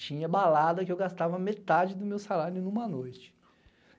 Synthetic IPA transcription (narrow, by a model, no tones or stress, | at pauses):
t͡ʃĩɲɐbalad̪ɐkɪewɡast̪avɐmet̪ad͡ʒɪd̪ʊmewsalaɾʊnũmɐnojt͡ʃɪ̥